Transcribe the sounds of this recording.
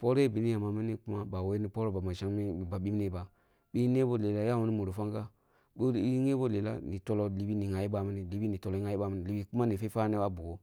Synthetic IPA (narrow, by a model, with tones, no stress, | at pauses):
po˦ɾbi˨ni˦ja˨ma˨mi˦ni˦ku˦ma˦ba˨we˦ni˦po˦ɾo˦ba˨ma˨ʃa˦˨ba˨ɓi˦m˦ni˦ba˨ | ɓi˦ne˦bo˦˨le˨la˦ja˦wu˦ni˦mo˨ɾo˨fa˦ŋɡa˦ | ɡo˦ŋe˦bo˦le˨la̰˦ni˨to˦lo˦li˨bi˦ni˨ŋa˨ji˦ba˦mi˦ni˦li˨bi˦ni˨to˨lo˨˦ŋa˦i˦ba˦˨mi˦ni˨li˨bi˨ku˦ma˦ni˨fe˦fa˦ne˦wa˦bu˨o˦